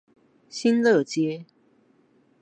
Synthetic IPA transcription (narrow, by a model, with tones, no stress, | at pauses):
ɕi˦nlɤ˥˨t͡ɕjɛ˦